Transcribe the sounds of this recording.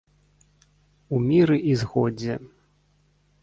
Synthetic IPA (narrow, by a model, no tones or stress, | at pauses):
umʲiɾɨʔizɣɔd͡zʲɛ